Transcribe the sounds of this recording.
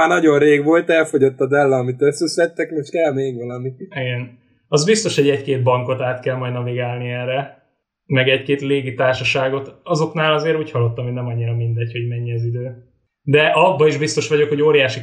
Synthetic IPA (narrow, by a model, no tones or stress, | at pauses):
aːnɒɟo̞nreːɡʋo̞lt̪ɛlfo̞ɟo̞t̪ːɒd̪ɛlːɛːmit̪øsːɛslɛt̪ːɛkmeʃkɛlmeːɡʋɒlɒmiiɡɛn | ɒzbist̪o̞ʃho̞ɟɛckeːt̪̚bɒŋko̞t̪aːt̪kɛlmɒjd̪nɒviɡaːlniɛrɛ | mɛɡɛckeːt̪leːɡit̪aːrʃɒʃaːɡo̞t̪ɒzo̞knaːlɒzeːɾuːchɒlːot̪ːɒmonɛmɒɲːiɾɒmind̪ɛcho̞ɟmɛɲːɛɒzid̪øː | d̪ɛʔɒbːɒiʒbist̪o̞ʃʋɒɟo̞kho̞ɟoːɾijaːʃi